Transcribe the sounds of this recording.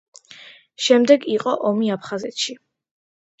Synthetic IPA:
ʃɛmd̪ɛɡiqʼɔʔɔmiapʰχazɛt̪ʃi

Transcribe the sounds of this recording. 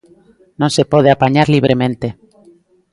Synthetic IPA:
nõnsepoð̞eapaɲaɾliβ̞ɾemẽnt̪e

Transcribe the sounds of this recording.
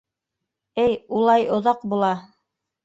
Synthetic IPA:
ɘjulˠɑjŏðɑq̚bulˠɑ

